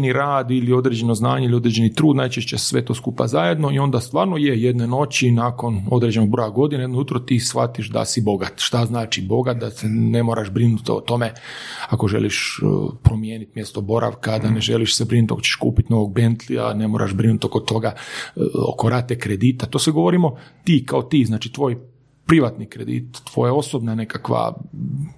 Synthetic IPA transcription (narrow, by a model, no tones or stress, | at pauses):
niɾaːd̪ilio̞d̪ɾed͡ʑe̞no̞znaːɲeilio̞d̪ɾed͡ʑenit̪ɾuːd̪najt͡ʃeʃt͡ɕessʋet̪o̞ːskupa̰zaje̞d̪no̞io̞nd̪ast̪ʋaːɾnojejed̪neno̞t͡ɕinaːko̞no̞d̪ɾed͡ʑe̞no̞ɡ̚bɾo̞ːjaɡo̞d̪inejed̪nojut̪ɾot̪isxa̰t̪iʃd̪a̰sibo̞ɡat̪ʃt̪aznaːt͡ʃibo̞ɡat̪̚d̪asene̞mo̞ɾʔaʒbɾinut̪o̰t̪o̞meako̞ʒḛliʃpɾo̞mjeːnit̪mje̞st̪o̞bo̞ɾʔa̰ʋkad̪aneʒe̞liʃsebɾinut̪o̰kot͡ɕe̥ʃkṵːpit̪no̞ʋo̞ɡ̚bent̪lia̰ne̞moːɾa̰ʒbɾinut̪oko̞t̪o̞ɡa | o̰koɾʔat̪ekɾed̪iːt̪at̪osʋeɡo̞ʋoɾimo̞t̪iːkaot̪iːznaːt͡ʃit̪ʋo̞ːj | pɾiʋat̪nikɾed̪ḭt̪ːʋo̞̰jao̞sobnane̞kakʋa̰